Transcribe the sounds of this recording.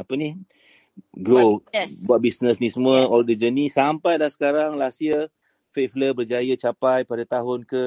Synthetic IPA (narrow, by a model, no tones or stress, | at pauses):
apəni | ɡɾobuaʔ̪̚bisnəsnisəmuəɔldəd͡ʒənisampajlahsə̥kaɾaŋlasiə | fefləbərd͡ʒajət͡ʃapajpadat̪aɦʊnkə